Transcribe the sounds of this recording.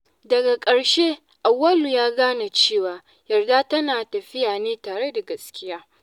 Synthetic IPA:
dɐ˨ɡa˨kʼɐ˨ɽʃeː˦ | ʔa˨wːɐ˦lu˨jaː˦ɡaː˦na˨t͡ʃeː˦˨waː˨ | jɐ˨rda˦tɐ˦naː˨tɐ˨ɸɪ˦jaː˨neː˦taː˨ɽe˦da˨ɡɐ˨skʲɪ˦jaː˦

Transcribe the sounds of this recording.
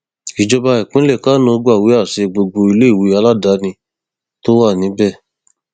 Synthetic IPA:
i˨d͡ʒɔ˧ba˧i˨kũ˦lɛ˦˨ka˦nõ˧˦˧ɡ͡ba˦˨wi˨˦a˦˨se˧ɡ͡bo˧ɡ͡bo˧i˧le˦i˦˨wi˨˧˦a˧la˦da˨˦nĩ˧ | to˦wa˦˨nĩ˨˦bɛ˦˨

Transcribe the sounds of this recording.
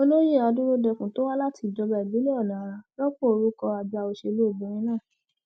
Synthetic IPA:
o˧˦lo˦je˦˨a˧dũ˦ɾo˦dɛ˧kũ˨to˦wa˦la˦ti˧˨d͡ʒɔ˧bɛ˨bĩ˨˦ɛ˦ɔ˦˨nã˨a˧lɔ˦k͡po˦˨o˧ɾu˦kɔ˧a˨d͡ʒa˧o˧ʃe˧lo˦˨bɛ̃˨˦ɾ̃ĩ˧˦nãː˦˨

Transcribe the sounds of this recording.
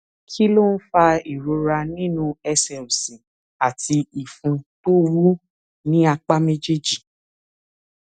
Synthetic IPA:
kʰi˦lo˦n̩˦fa˧i˨ɾo˧ɾa˧nĩ˦nũ˦ɛ˧sɛ˨o˨sĩ˨ | a˨ti˧i˨fũ˧to˦ɾu˦ | nĩ˦a˧k͡pa˦me˦d͡ʒe˦d͡ʒi˦˨

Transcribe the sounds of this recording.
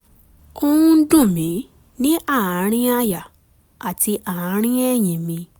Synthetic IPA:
kõ˧wũ˦n̩˦dũ˦˨mĩ˨˦ | nĩ˦ʔa˦˨ã˨˦ɾ̃ĩ˦a˦ja˨ | a˨ti˧ʔa˨ã˨˦ɾ̃ĩ˦ɛ˦˨jĩ˨mĩ˧

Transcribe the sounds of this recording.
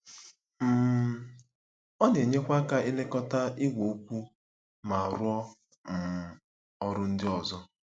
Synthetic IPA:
m̩˦˨ | ɔ˦n˨e˨ɲe˦kʷa˦ka˦i˦le˦kɔ˦ta˦i˦ɡʷo˨o˦kʷu˦ | ma˨ɾʊ˦ɔ˦ | n̩˨ | ɔ˦ɾʊ˦n̩˦dɪ˦ɔ˨zɔ˦

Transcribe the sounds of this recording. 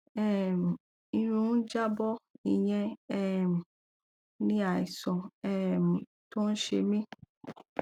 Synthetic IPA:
ɛ˦˨m˨ | i˧ɾ̃ũ˨˦n̩˦d͡ʒa˦bɔ˦i˧˨j̃ɛ̃˧ɛ˦˨m̩˨ | nĩ˦a˦˨i˨sɔ̃˨ɛ˦˨m̩˨ | to˦n̩˦ʃe˧mĩ˦

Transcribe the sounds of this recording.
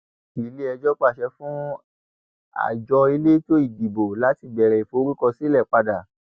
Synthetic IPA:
i˨le˦ɛ˧d͡ʒɔ˦k͡pa˦˨ʃɛ˧˦fũ˦ | a̰˨d͡ʒɔ˧e˧le˦to˦i˦˨di˨bo˨la˨˦ti˦˨bɛ˨ɾɛ˨i˨fo˧˦ɾi˦kɔ˧si˦lɛ˦˨k͡pa˧da˨

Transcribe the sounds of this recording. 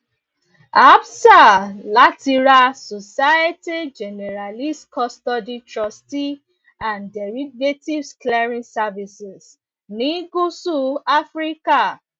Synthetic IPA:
a˦bsa˨la˦ti˦ɹa˦sɔ˨sa˦je˦ti˦d͡ʒɛ˨nɛ˨ɹa˨li˦stkʰɔstɔ˦di˦tɹɔ˦sti˦ | ã˨ndɛ˨ɹi˦ɡe˦ti˦vsklɛ˦ɹĩ˦nsavi˨sɛ˨s | ni˦ɡu˦su˦a˦fɹi˦ka˨

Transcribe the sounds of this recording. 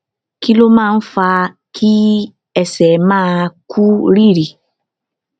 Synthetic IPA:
ki˦lo˦mãː˦˨n̩˦fa˧ | kʰi˦ | ɛ˦sɛ˨mã˦kʰu˦ɾi˦ɾi˨

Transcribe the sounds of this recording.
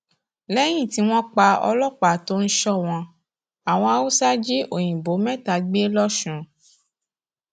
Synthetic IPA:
lɛ˦j̃ĩ˦˨ti˧˦w̃ɔ̃˦k͡pa˧ɔ̰˧lɔ˦˨k͡pa˨to˦n̩˦ʃɔ˦˨w̃ɔ̃˧ | a˨w̃ɔ̃˧a˧wo˦sa˦d͡ʒi˦ʔo˨j̃ĩ˨bo˨˦mɛ̃˦˨ta˨˧ɡ͡be˦lɔ˦ʃũ˨˦

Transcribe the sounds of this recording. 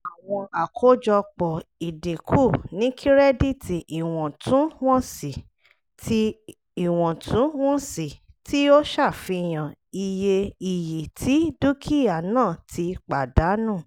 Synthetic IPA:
a˨w̃ɔ̃˧a˨kʰo˨˦d͡ʒɔ˧k͡pɔ˨i˨de˨kʰu˦˨nĩ˨˦kʰi˦ɾɛ˦di˦˨tʰi˨ʔi˨w̃ɔ̃˨tʰũ˨˦w̃ɔ̃˦si˨ | tʰi˦ | i˨w̃ɔ̃˨tʰũ˨˦w̃ɔ̃˦si˨ | ti˦o˦ʃa˦˨fi˧˨j̃ã˨i˨je˧i˨ji˨tʰi˨˦du˦kʰi˦ja˨nãː˦˨tʰi˧k͡pa˨da˨˦nũː˦˨

